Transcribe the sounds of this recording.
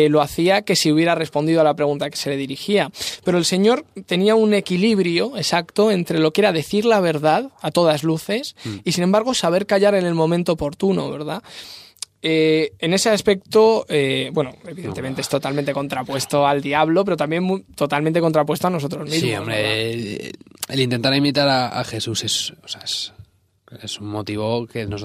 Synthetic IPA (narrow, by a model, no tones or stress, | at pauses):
lo̞aθiake̞siuβje̞ɾare̞spo̞nd̪iðoalapɾe̞ɣũnt̪ake̞̥se̞le̞ðiɾixiape̞ɾoelse̞ɲo̞ɾt̪e̞niaune̞kiliβɾjo̞e̞sakt̪o̞e̞nt̪ɾe̞lo̞kee̞ɾaðe̞θiɾlaβ̞e̞ɾðaðat̪o̞ðazluθe̞sisinembaɾɣ̞o̞saβ̞e̞ɾkaʎaɾene̞lmõ̞mẽnt̪oːpo̞ɾt̪uno̰βe̞ɾða | eene̞seaspe̞k̚t̪oebwe̞noeβiðent̪eme̞nt̪eest̪o̞t̪almẽnt̪e̞ko̞nt̪ɾapwe̞st̪oald̪iaβ̞lo̞peɾo̞t̪ambje̞nmut̪o̞t̪almẽnt̪ekont̪ɾap̬west̪oano̞so̞t̪ɾo̞zmizimoombɾe | elint̪e̞nt̪aɾimit̪aɾaa̰xe̞suse̞soseaes | esummot̪iβ̞o̞kenos